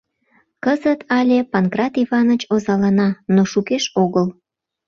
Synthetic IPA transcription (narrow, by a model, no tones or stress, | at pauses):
kəzət̪ʰɑlʲepɑnkrɑt̪iβɑnət͡ɕozɑlɑnɑnoʃukeʃoɣəl